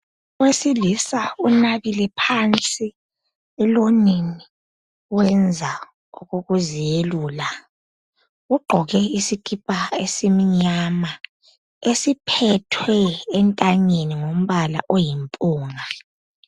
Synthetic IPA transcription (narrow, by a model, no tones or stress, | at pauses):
wesilisaunaβilɛpʰant͡sʼi | ɛlonini | wɛnd͡zʱa | uɣoɣuzijeluːla | uɡ͡ǃʱɔɣɛisikʰʼipʼaesimiɲama | esipʰɛtʰwɛːntʼaɲeniŋom̩βala̰ʔojimpʼuːŋa